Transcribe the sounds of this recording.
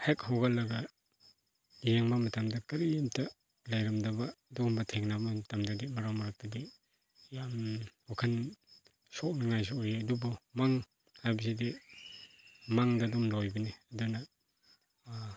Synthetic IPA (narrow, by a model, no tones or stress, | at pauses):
hek̚hawɡalɐɡa | jeŋmamɐtamdɐkɐɾinta | lajɾɐmdabadɔmbɐtʰeŋnabamɐtamdadimɐɾawmɐɾak̚tadi | jamɔkʰɐn | sɔk̚naŋajs̬eojeɐdubɔmaŋ | hajbisidi | maŋdadɔmlojbɐniɐduna